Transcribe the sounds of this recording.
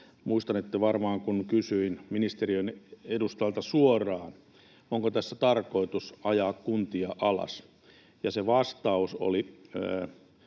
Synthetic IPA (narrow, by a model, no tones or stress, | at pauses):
muist̪ɑnet̪ːæʋɑrmɑːŋkunkysyinminist̪eriønedust̪ɑlt̪ɑsuorˑɑːn | oŋkot̪æsːæ̥t̪ɑrkoit̪usɑjɑːkkunt̪iɑʔɑlɑ̰s | jɑseʋɑst̪ɑuso̰li